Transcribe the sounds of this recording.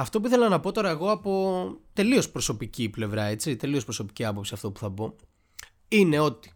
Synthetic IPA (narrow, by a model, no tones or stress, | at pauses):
ɐft̪o̞puiθe̞lɐnɐpo̞t̪o̞ɾɐeɣo̞ɐpo̞t̪e̞lio̞spɾoso̞piciple̞vɾɐe̞t͡sit̪e̞lio̞spɾoso̞pi̥ciɐpo̞psiɐft̪o̞pu̥θɐpo̞ | ine̞o̞t̪i̥